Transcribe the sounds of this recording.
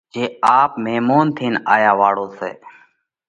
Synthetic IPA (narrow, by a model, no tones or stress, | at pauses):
d͡ʒeːaːpmeːmoːnt̪ʰiːna̰ːjaːʋaːɽoːsḛː